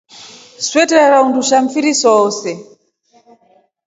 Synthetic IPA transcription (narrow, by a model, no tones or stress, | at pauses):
swɛtɛɾaɾaunduʃaɱfiɾisɔːsɛ